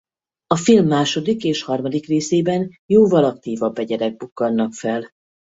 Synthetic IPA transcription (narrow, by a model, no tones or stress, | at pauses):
ɒfilmːaːʃo̞d̪ikeːʃhɒrmɒd̪ikreːseːbɛnjoːvɒlɒkt̪iːvɒbːɛɟɛɾɛɡ̚bukːɒlnɒkfɛl